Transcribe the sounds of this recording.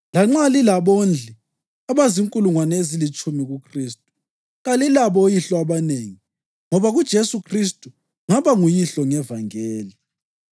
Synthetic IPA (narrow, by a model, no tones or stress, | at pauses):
laŋ͡ǁalilaβond͡ɮʱi | aβaziŋkʼuluŋwanezilit͡ʃʼumiɣukʰriːstʼu̥ | ɣalilaβɔjiɬɔaβaneːŋi | ŋɔβaɣud̥ʒ̥ʱesukʰristʼu | ŋaβaŋujiɬɔŋɛvaŋeːli